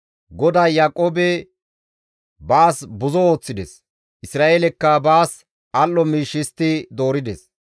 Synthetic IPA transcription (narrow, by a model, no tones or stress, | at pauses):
ɡɔd̪aːjaːkʼoːbɛ | baːsbʊzɔo̞ːt͡sːɪd̪ɛ̰s | ʔɪsɾaːʔelɛkːɐbaːs | ʔɐlːɔmiːʃːɪst̪ːɪd̪o̞ːɾɪd̪ɛs